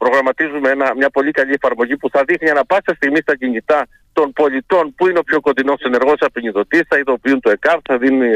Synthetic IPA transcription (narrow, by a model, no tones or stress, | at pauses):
pɾo̞ɣɾɐmɐt̪izumeenɐmɲɐpo̞ʎikɐʎie̞fɐɾmo̞ʝipuθɐðixniɐnɐpɐsɐst̪iɣmist̪ɐɟiɲit̪ɐ | t̪o̞npo̞ʎit̪o̞npuineo̞pço̞ko̞t̪ino̞se̞ne̞ɾɣo̞sɐpiɲiðo̞t̪isθɐiðo̞piunt̪ue̞kɐvθɐðinuni